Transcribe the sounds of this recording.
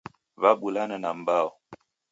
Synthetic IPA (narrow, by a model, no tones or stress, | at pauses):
vabulanənambaɔ